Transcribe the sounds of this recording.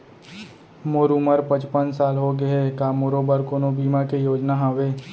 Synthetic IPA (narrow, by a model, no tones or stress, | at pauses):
moːɾuməɾpə̃t͡ʃpənsaːlɦoɡɐekaːmoɾoːbəɾkoːnobiːmakejoːd͡ʒnaɦaʋeː